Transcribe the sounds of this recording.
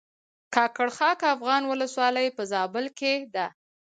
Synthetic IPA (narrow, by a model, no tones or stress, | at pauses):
kɑkaɽxɑkafɣɑnwʊləswɑləjpəzɑbəlked̪a